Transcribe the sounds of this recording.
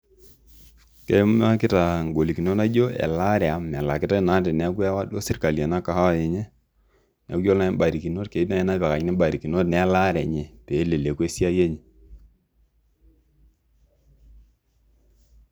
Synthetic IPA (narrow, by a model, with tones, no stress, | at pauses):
ke˦m˦a˦kɪ˦ta˨ŋɡo˨li˨ki˨no˦na˦d͡ʒo˦ɛ̰˨la˦ɾɛ˨a˨mɛ˨la˨kɪ˦ta˦na˦tɪ˨nɛ˦kwɛ˦wa˦do˦sɪ˨rka˨lja˨na˦ka˨ha˦a˨jɛ˨ɲɛ˦ | nɛ̰˨u˦jo˦lna˦ba˨ɾi˨ki˨no˦tke˨i˦tna˦˨ɛ˦na˦pɛ˨ka˨ɲnɛ˦ba˨ɾi˨ki˨no˦tnɛ˨˦la˦ɾɛ˨ɲɛ˨te˨˦le˨le˨kwe˦si˦a˦je˦ɲi˨